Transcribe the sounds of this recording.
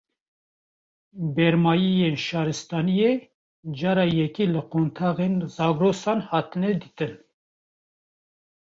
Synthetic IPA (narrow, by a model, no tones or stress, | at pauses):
bɛɾmɑːjijeːnʃɑːɾɨst̪ɑːnije | d͡ʒɑːɾɑːjɛkilɨqont̪ʰɑːɣenzɑːɡɾoːsɑːnhɑːt̪ɨnɛd̪iːt̪ɨn